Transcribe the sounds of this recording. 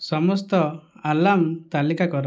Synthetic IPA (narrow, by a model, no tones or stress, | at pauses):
sɔmɔst̪ɔalamt̪alikakɔɾɔ